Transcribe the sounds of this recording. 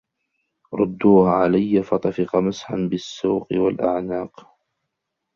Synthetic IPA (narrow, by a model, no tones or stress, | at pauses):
ɾˤʊd̪ːuːhaʕalajːafɑt̪ˤɑfɪqɑmɪsħanbɪsːuːqɪwalʔaʕnaːq